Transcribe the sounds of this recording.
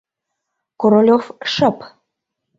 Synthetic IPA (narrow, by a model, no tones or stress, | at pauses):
koɾolʲofʃəp